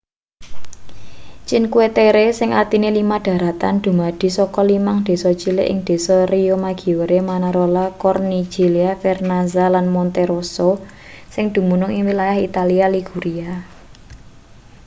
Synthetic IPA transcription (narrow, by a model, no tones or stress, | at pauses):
t͡ʃinkuet̪eɾesɪŋʔa̰rt̪inelimaɖ̥ä̤ɾat̪a̰nd̪̥ṳmad̥i̤sɔkɔlimaŋd̪̥e̤sɔt͡ʃilɪʔɪ̰ŋd̪̥e̤sɔriomaɡ̥i̤wəɾemanaɾolakɔrni̥d͡ʒ̥iliafɛrnazalanmɔnt̪eɾoso | sɪŋd̪̥ṳmunʊŋiwilajahit̪alialiɡ̥ṳɾia